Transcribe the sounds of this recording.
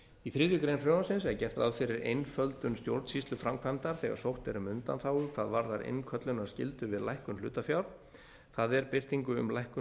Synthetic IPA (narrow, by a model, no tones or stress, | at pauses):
iθɾɪːðjʏkɾejnfɾœɣansɪnsɛɾcɛr̥t̪a̰ðfɪɾɪɾejnfœlt̪ʏnst̪jowɾt̪sist̪lʏfɾamkʰvajmt̪aɾ̥θɛɣa̰ɾsowht̪ɛɾʏmʏnt̪anθawʏkʰvaðvaɾðaɾɪ̰nkʰœt̪lʏnaɾ̥scɪ̰lt̪ʏvɪðlajhkʏnl̥ʏːt̪afjawɾ | θaðɛɾpɪr̥t̪iŋkʏʏ̰mlajhkʏ